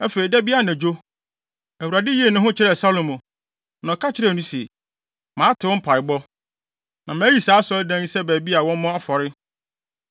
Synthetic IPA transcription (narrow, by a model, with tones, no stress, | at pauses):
ɛ˦fe˨ɾi˨dɛ˦bi˦a˦˨nɛ̃˨d͡ʑo˦ | æ˨wu˨ɾa˨dɪ˦ji˦e˦˨nʊ̃˦ɦʊ̃˦t͡ɕʰɪ˦ɾɛ˨sa˦lõ˨mʊ̃˨ | nã˨kʰa˦t͡ɕʰɪ˦ɾɛ˦˨nũ˦sɛ̰˨ | mã˨˦tʰɪ˨wʊ̃˦m̩˦pʰa˨ɪ˨bɔ˦ | nã˨mæ̃ː˨˦ji˨saː˨˦sɔ˦ldæ̃˦n˦sɛ˦bæː˨bi˦a˨wɔ̃˦m˦mɔ̃˦a˦fɔ˨ɾɪ˦